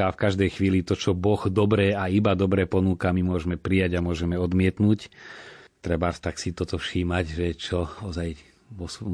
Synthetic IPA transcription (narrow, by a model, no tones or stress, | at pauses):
afkaʒd̪ɛjxʋiːlit̪ɔt͡ʃɔbɔɣd̪ɔbɾɛːaibad̪ɔbɾɛːpɔnuːkamimʊɔʒmɛpɾijaɟamʊɔʒɛmɛɔd̪mɪɛt̪nuːc | t̪ɾɛbat̪aksit̪ɔt̪ɔfʃiːmaɟʒɛt͡ʃɔɔzaj | ʋɔs